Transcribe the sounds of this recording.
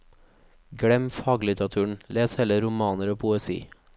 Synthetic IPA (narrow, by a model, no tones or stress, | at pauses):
ɡɽɛmfɑːɡlɪt̪ɾɑt̪ʰʉːɳ̩leːshɛləɾʊmɑːnəɾoːpʰʊɛsḭː